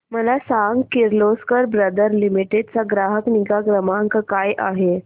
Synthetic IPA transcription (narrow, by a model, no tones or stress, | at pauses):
məlasaŋɡkiɾloskəɾbɾəd̪əɾlimiʈed̪̚t͡saɡɾaɦəkniɡaɡɾəmaŋkkajʔaɦe